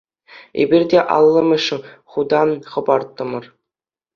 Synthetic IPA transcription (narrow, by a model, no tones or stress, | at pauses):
ḛbʲirʲdʲeʔɑ̰lˠːɤ̆mʲɘ̆ʂ̆χud̪ɑnχɤ̆bɑrt̪ːɤ̆mɤ̆r